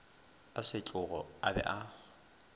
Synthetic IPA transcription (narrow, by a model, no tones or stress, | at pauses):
asɪt͡ɬʼʊɣɔabɛ̰ʔa